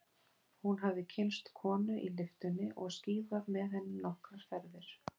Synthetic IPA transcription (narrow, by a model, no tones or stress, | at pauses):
hunɦavðɪcʰɪnst̪kʰɔːnʏʔilɪft̪ʏnːɪʔɔɣsciːvaðmɛðhɛnːɪmnɔhkɾaɾ̥fɛɾvɪɾ̥